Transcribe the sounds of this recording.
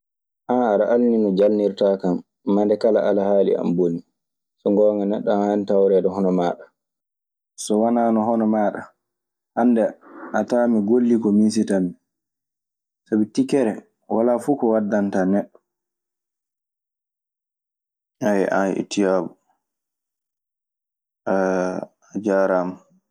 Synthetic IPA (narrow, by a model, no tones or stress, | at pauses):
ʔanaɾaʔalninɔd͡ʒalniɾtakamː | andɛkalaʔalahaːlḭa̰mboni | sɔŋɡɔːŋɡanɛɗːɔhanitawɾɛːdɛhɔnɔmaːɗa | sɔwanaːnɔɦɔnɔmaːɗa | ʔandɛʔataːmiɡolːikɔmis̬itami | sabitikɛɾɛ | walafukɔwadːantanɛɗːɔ̥ | ajʔa̰ḭtʰijabu | ʔa | d͡ʒaɾam